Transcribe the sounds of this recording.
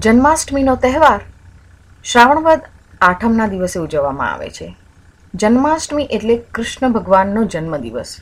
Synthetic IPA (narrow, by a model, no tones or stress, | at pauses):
d͡ʒənmasʈminot̪ɛɦʋaɾ | ʃɾaʋəɳ̃ʋəd̪ | aʈʰəmnad̪iʋəseud͡ʒəʋːamã̰a̰ʋḛt͡ʃʰe | d͡ʒənmasʈmiʔeʈlekɾʊʃɳəbʱəɡʋanːod͡ʒənməd̪ḭʋə̰s